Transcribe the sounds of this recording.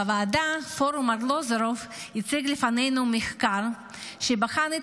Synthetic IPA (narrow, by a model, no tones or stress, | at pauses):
avaːd̪afoɾumaɡlozɾofit͡siɡlɪfanejnumiχkaɾ | ʃebaχani